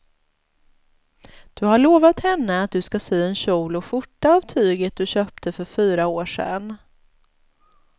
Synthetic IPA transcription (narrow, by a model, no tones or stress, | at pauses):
d̪̥ɵhaɭoːvat̪hɛnːəat̪̚d̪ɵskasyːɛnɕuːlɔɧʊʈːaːvt̪ʰyːɡət̪̚d̪ɵɕœːp̚t̪ʰəfœɾfyːɾaoːʂɛ̰n